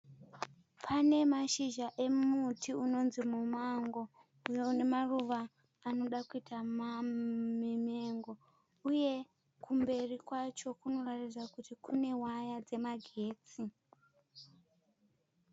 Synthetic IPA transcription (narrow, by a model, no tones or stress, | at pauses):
pʰane̞maʃiʒaʔe̞mutʰiuno̞nzimumaŋɡo̞ | ujeune̞maruʋaː | no̞ɗakuitʰamamime̞ŋɡo̞ | uje̞ | kʰumbe̞rikwat͡ʃo̞kuno̞ratid͡zakutikune̞wajad͡ze̞maɡʱe̞ːt͡si